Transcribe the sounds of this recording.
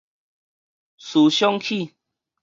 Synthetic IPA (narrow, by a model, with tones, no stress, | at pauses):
su˨˦ɕjɔ˦ŋkʰi˥˧˨